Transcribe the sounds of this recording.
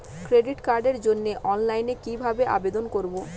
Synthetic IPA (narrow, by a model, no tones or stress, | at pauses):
kɾeɖiʈkaɾɖeɾd͡ʑonːeʔɔnlajnekibʱabeʔa̰bed̪onkoɾbo